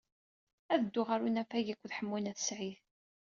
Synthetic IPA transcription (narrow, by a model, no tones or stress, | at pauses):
æðəd̪ːʊʁaɾunæfæjikʷːðħəmːunæθə̥sʕiθ